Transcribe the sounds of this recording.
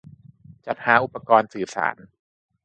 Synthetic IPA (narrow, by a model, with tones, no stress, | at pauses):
t͡ɕa˨˩t̪̚haː˩˦ʔu˨˩pːa˧kɔː˧nsɯː˨˩sa̰ː˩˦n